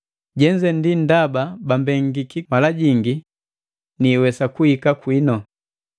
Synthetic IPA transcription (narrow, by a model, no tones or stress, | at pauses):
ɟɛɲd͡ʒɛndin̩dababambɛŋɡikimalaɟiŋɡi | niːwɛsakuhikakwinɔ